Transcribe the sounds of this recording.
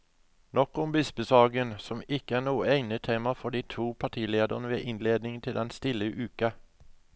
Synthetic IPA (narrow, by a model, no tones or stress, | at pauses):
nɔkɔmbɪsbəsɑːɡənsɔmɪkəæːnuːəæɪnət̪ʰeːmɑfɔɖ̪iːt̪ʰuːpʰɑʈ̪ʰiːleːd̪əʁnəʋḛːʔɪnleːd̪nɪŋt̪ʰɪld̪ɛnst̪ɪləʔʉːkə